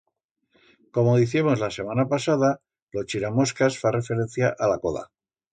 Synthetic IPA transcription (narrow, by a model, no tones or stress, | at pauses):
ko̞moðiθimo̞zlase̞manapasaða | lot͡ʃiɾamo̞skasfare̞fe̞ɾẽ̞n̟θjaʔalako̞ða̰